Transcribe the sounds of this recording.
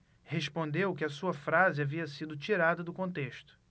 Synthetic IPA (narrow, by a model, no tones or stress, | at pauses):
heʃpõnd̪ewkɪɐsuɐfɾazɪaviɐsid̪ʊt͡ʃiɾad̪ɐd̪ʊkõnt̪eʃt̪ʊ̥